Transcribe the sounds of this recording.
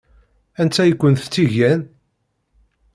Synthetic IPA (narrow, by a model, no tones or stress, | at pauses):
ænt̪ːæjəkʷːənθt͡sːiʝæn